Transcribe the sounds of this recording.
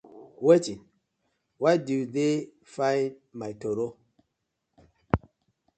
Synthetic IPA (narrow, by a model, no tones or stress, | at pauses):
wetin | wadude | fajmajtoɾo